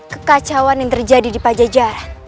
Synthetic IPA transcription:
kəkat͡ʃawanjaŋt̪ərd͡ʒadidipad͡ʒad͡ʒaɾa

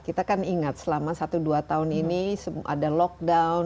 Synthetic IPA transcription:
kit̪akaniŋat̪̚səlamasat̪uduat̪aʊninisəa̰dalɔk̚daun

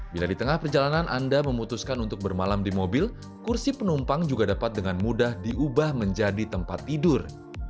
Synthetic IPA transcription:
biladit̪əŋahpərd͡ʒalananʔandaməmut̪uskanunt̪ʊk̚bərmalamdimobɪl | kursipənumpaŋd͡ʒuɡadapat̪̚dəŋanmudahdiʔubahməɲd͡ʒadit̪əmpat̪ːidʊr

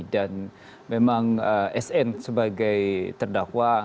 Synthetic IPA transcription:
dan | memaŋəʔɛsɛnsəbaɡajt̪ərdakwa

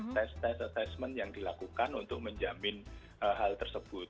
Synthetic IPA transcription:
t̪ɛst̪ɛsat̪ɛsmənjaŋdilakukanunt̪ʊk̚məɲd͡ʒamɪn | ʔəɦalt̪ərsəb̥ʊt̪̚

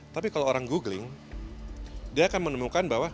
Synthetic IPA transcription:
t̪apikaloːɾaŋɡuɡlɪŋ | diaːkanmənəmukanbaɦwa

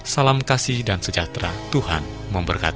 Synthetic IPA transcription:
salamkasɪhdansəd͡ʒat̪ɾat̪uhan | məmbərkat̪

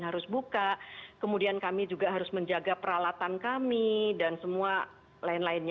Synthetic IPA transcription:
nɦaɾʊsbukaʔkəmudiankamid͡ʒuɡaɦaɾʊsməɲd͡ʒaɡapəɾalat̪ankamidansəmua | laɪnlaɪnɲ

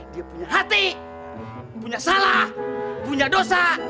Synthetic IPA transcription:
diapuɲaɦat̪i | puɲasalahpuɲadosa

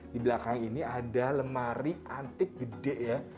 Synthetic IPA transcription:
dibəlakaŋiniadaləmaɾiant̪ɪk̚b̥ədɛʔja

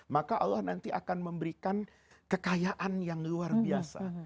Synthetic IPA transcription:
makaʔalːahnant̪iʔakanməmbəɾikan | kəkajaʔanjaŋluarbiasa̰

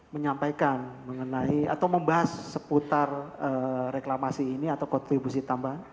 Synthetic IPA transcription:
məɲampajkanməŋənaia̰t̪awməmbaɦasːəput̪arəreklamasiːniat̪awkɔnt̪ɾibusit̪ambaɦan

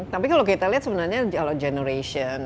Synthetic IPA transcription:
t̪apikalokit̪aliat̪səbənarɲakalad͡ʒɛnəɾeʃɔn

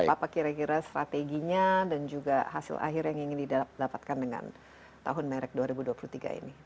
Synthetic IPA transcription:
apakiɾakiɾast̪ɾat̪eɡiɲadand͡ʒuɡaɦasɪ̰lʔa̰ɦɪɾjaŋiŋɪndiddapat̪̚kandəŋa̰n | t̪aɦʊnmɛɾɛk̚duaɾibuduapulut̪iɡa̰ḭni

